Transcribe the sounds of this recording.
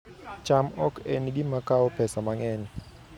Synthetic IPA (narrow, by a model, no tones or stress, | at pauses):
t͡ʃamɔkenɡɪmakaɔpɛsamaŋɛɲ